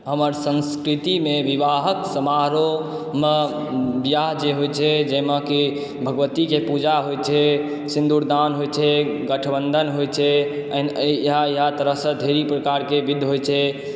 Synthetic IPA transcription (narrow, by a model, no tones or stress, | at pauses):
ɦəməɾsə̃nskɾit̪imeʋiʋaɦəksəmaɾo | me | bjaɦd͡ʒeɦot͡ʃʰɛd͡ʒemaki | bʱəɡʋət̪ikepud͡ʒaɦojt͡ʃʰɛ | sĩnd̪ʱuɾd̪anɦojt͡ʃʰɛɡəʈʰəbənd̪ʱənɦojt͡ʃʰɛənɦajiɦat̪əɾəɦsə̃d̪ʱeɾipɾəkaɾkebid̪ʱːɦojt͡ʃʰɛ